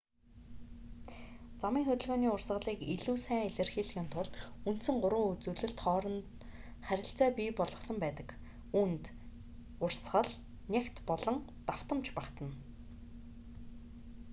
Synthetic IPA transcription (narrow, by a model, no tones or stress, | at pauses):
t͡samiːŋxɵt̪ɵ̆ɮɣoːniːʊrsɢə̆ɮiːkiɮuːsæːŋiɮɘ̆rxiːɮxɪ̆ːnt̪ʰʊɮunt̪sɘ̆ŋɢʊɾə̆ːut͡suːɮɘ̆ɬt̪χɔːɾɞ̆n | χæɾʲɪ̆ɬt͡sæːpʲiːpɔɮʁɞ̆χsə̆mpæːt̪ə̆k | unt̪ | ʊrsχə̆ɮ | nʲekt̪pɔɮɞ̆ŋt̪aw̥t̪ə̆mt͡ɕpakt̪ə̆n